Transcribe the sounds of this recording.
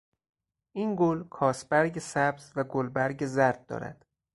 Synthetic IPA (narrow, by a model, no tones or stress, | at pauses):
ʔinɡolkʰɒːsbæɾɟesæbz̥væɡolbæɾɟezæɾd̪̚ːɒ̰ːɾæ̰d̪̥